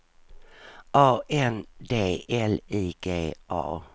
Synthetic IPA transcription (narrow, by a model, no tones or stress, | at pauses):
ʔɑːʔɛnd̪eːɛliːɡ̥eːʔɑ̰ː